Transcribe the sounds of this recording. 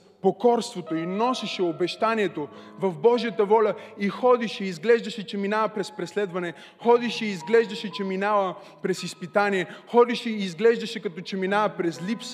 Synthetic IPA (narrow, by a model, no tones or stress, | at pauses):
pokɔɾst̪vot̪oinɔsɛʃɛobɛʃt̪aniɛt̪ovɐvbɔʒijət̪əvɔlʲəixɔd̪iʃɛizɡlɛʒd̪ɐʃɛt͡ʃɛminavɐpɾɛspɾɛslɛd̪vɐnɛ | xɔd̪iʃɛiːzɡlɛʒd̪əʃɛt͡ʃɛminavə | pɾɛsispit̪aniɛxɔd̪iʃɛiːzɡlɛʒd̪ɐʃɛkɐt̪ɔt͡ʃɛminavəpɾɛzlips